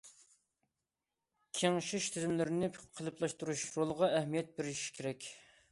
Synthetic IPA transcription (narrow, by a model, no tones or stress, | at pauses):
kʲʰeŋʃɪʃt̪ʰɪzɪmlɪɾɪnɪqʰəlˠɨplˠɑʃt̪uɾuʃɾolˠʁɑʔɛhmijɛt̪̚bɪɾʃi̥kʲʰeɾɛkʲ